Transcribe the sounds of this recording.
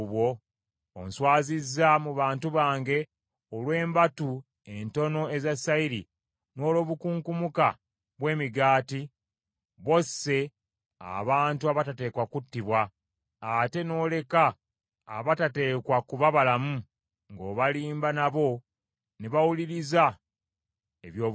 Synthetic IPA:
βwo̞ | o̰nswaːzizːamuβaːntuβaːŋɡe̞ | olwe̞ːmbatu | e̞nto̞no̞e̞zasaiɾi | no̞ːlo̞ːβukuːŋkumuka | βwe̞ːmiɡaːti | βo̞se̞ | a̰βaːntuaβatate̞ːkwakutːiβwaː | te̞no̞ːle̞ka̰ː | βatate̞ːkwakuβaβalamu | ŋɡo̞ːβaliːmbanaβo̞ | neβawuliɾiza | eβjoː

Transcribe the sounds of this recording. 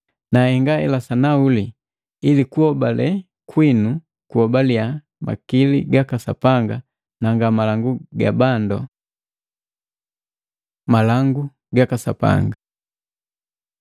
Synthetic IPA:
nahɛŋɡaɛ̰lasanauli | ilikuhɔbalɛ | kwinu | kuɔbalja | ma̰kiliɡakasa̰paŋɡa | naŋɡamalaŋɡuɡa̰bandɔ | malaŋɡu | ɡakasa̰pa̰ŋɡa

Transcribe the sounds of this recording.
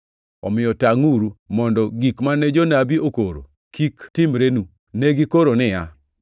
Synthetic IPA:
ɔmɪjɔtaŋuɾumɔndɔɡikmanɛd͡ʒonabiokoɾo̰ | kʰiktɪmɾenu | nɛɡikoɾonɪja

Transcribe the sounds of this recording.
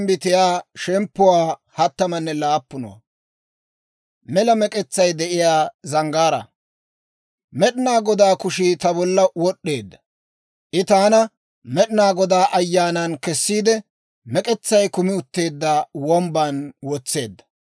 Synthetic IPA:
mbɪt̪ɪjaːʃɛmpːʊwaːhɐt̪ːɐmɐnːɛlaːpːʊnɐ̰wɐ̰ | mɛlɐmɛkʼɛt͡sːɐjd̪ɛʔɪjaːzɐŋɡaːɾɐ̰ | mɛɗɪnaːɡɔd̪aːkʊʃiːt̪ɐbɔlːɐwɔɗːe̞ːd̪ːɐ̥ | ʔɪt̪aːnɐ | mɛɗɪnaːɡɔd̪aːʔɐjːaːnɐnkɛsːiːd̪ɛ | mɛkʼɛt͡sːɐjkʊmɪʊt̪ːe̞ːd̪ːaːwɔmbanwɔt͡sːe̞̰ːd̪ːɐ̥

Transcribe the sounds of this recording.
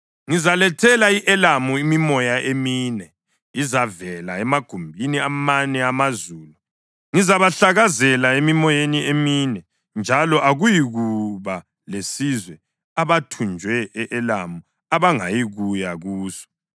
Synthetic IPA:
ŋizalɛtʰɛlaiʔɛlamuimimɔjaʔemiːnɛ | izavɛlaɛmaɡ̥ʱumbʱiniamanɛamazuːlu | ŋizaβaɬaɣazɛlaemimɔjenieminɛ | nd͡ʒʱalɔʔaɣujiɣuβa | lesizwɛ | aβatʰund͡ʒʱwɛɛʔɛlamu | aβaŋa̰jiɣujaɣuːsɔ̥

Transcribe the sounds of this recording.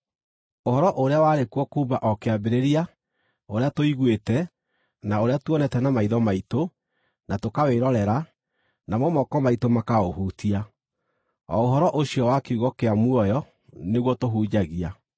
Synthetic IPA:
ohɔɾɔʔoɾeawaɾekwɔkuːmbaʔɔkeabeɾeɾia | oɾeatoiɣwetɛ | naoɾeatuɔnɛtɛnamaiðɔmaito | natokaweɾɔɾɛɾa | namɔmɔkɔmaitomakaohutia | ɔ̰oɦɔɾɔʔoɕiɔwakeuɣɔkeamwɔjɔ | neɣwɔtoɦuːd͡ʑaɣia

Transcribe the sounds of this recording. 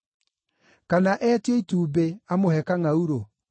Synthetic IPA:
kanaʔɛteituːbeamohɛkaŋauɾo

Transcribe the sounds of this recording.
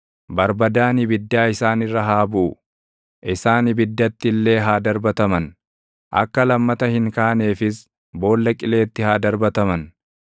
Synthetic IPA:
bɐɾbɐd̪aːnɪbɪd̪ːaːɪsaːnɪrːɐɦaːbʊʔʊ | ʔɪsaːnɪbɪd̪ːɐt̪ːɪlːe̞ːɦaːd̪ɐɾbɐt̪ɐmɐn | ʔɐ̰kːɐlɐmːɐt̪ɐhɪŋkaːne̞ːfɪs | bo̞ːlːɐkʼɪle̞ːt̪ːɪhaːd̪ɐɾbɐt̪ɐmɐn

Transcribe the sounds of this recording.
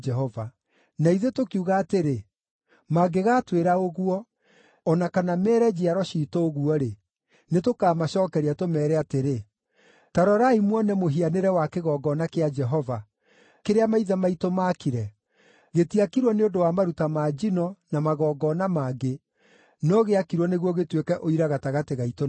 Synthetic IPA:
d͡ʒɛɦɔva | naiðetokiuɣaːteɾe | maːɡeɣaːtweɾaoɣuɔ | ɔnakanamɛɾɛd͡ʑiaɾɔɕiːtoːɣuɔɾe | netokaːmaɕɔːkɛɾiatomɛːɾɛateɾe | taɾɔɾaimwɔnɛmoɦianeɾɛwakeɣɔːɡɔnakead͡ʒɛɦɔva | keɾeamaiðamaitomaːkiɾɛ | ɣetiakiɾwɔneodowamaɾutamaːd͡ʒinɔnamaɣɔːɡɔnamaːɡe | nɔɣeakiɾwɔneɣwɔɣetwekɛʔoiɾaɣataɣateɣaito

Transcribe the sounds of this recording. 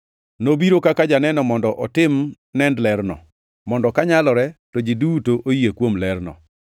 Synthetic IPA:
nobiɾokakad͡ʒanɛnɔmɔndɔʔɔtɪm | nɛndlɛrnɔ̰ | mɔndɔkaɲalɔɾɛtod͡ʒidutoʔojekwomlɛɾnɔ̰

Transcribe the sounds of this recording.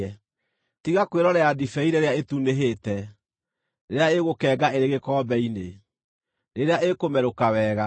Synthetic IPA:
ɛ | tiɣakweɾɔɾɛadifɛiɾeɾeaetuneɦeːtɛ | neɾeaeɣokɛːɡaʔeɾeɣekɔːbɛine | neɾeaʔekomɛɾokawɛːɣa

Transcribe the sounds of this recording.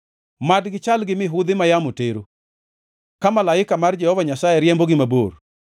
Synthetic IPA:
madɡɪt͡ʃalɡɪmɪɦʊd̪ɪmajamoteɾo | kamalaɪkamard͡ʒɛhɔvaɲasaɛɾjɛmboɡɪmabor

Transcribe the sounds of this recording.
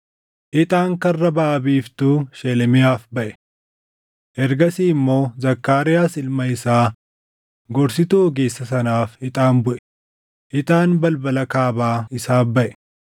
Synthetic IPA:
ʔɪt̪ʼaːŋkɐrːɐbɐːɐbiːft̪uːʃɛlɛmɪjaːfbɐʔɛ̥ | ʔɛɾɡɐsiːmːo̞ːzɐkːaːɾɪjaːsɪlmɐɪsaː | ɡɔɾsɪt̪uːɔɡeːsːɐsɐnaːfɪt̪ʼaːnbʊʔɛ̥ | ʔɪt̪ʼaːnbɐlbɐlɐkaːbaːɪsaːbɐʔɛ̥

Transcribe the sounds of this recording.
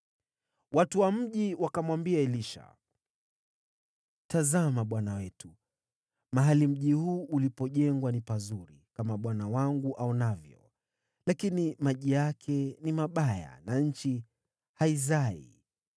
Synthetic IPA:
watuwam̩ʄiwakamwambiaɛliʃa̰ | tazamaɓwanawɛtu | maɦalim̩ʄihuːʔulipɔʄɛŋɡwanipazuɾikamaɓwanawaŋɡuʔaunavjɔ̰ | lakinimaʄijakʰɛnimaɓaja̰naɲ̩t͡ʃi | haizaḭ

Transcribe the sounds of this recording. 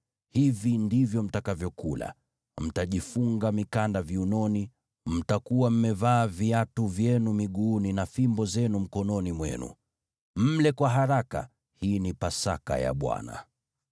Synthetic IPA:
hivindivjɔm̩takavjɔkula̰ | m̩taʄifuŋɡamikandaviunɔni | m̩takuwam̩mɛvaːviatuvjɛnumiɠuːninafimbɔzɛnum̩kɔnɔnimwɛ̰nṵ | m̩lɛkwaɦaɾaka̰ | hiːnipasaka̰ja̰ɓwa̰na̰

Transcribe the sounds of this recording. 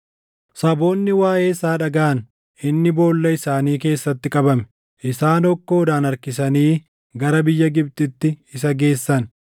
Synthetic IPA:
sɐbo̞ːnːɪwaːʔe̞ːɪsaːᶑɐɡaʔɐn | ʔɪnːɪbo̞ːlːɐɪsaːniːke̞ːsːɐt̪ːɪkʼɐbɐmɛ̥ | ʔɪsaːnɔkːoːd̪aːnɐɾkɪsɐniː | ɡɐɾɐbɪjːɐɡɪb̚t̪ɪt̪ːɪɪsɐɡe̞ːsːɐn

